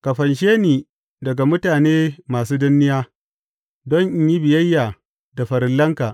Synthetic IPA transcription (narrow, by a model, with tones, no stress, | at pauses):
ka˨ɸɐ˨nʃeː˦niː˨ | dɐ˨ɡa˨mʊ˦taː˨neː˦maː˨suː˦dʊ˦nːɪ˦jaː˦ | dɔ˦ɲʔɪ˦ɲji˦bɪ˨jɐ˦jːaː˨ | da˨ɸɐ˨ɾɪ˨lːɐ˦ŋkaː˨ʔ